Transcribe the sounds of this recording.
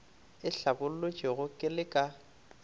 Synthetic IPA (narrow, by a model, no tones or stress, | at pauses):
ɪɬabʊl̩lʊt͡ʃʼɪɣʊkʼɪlɪkʼa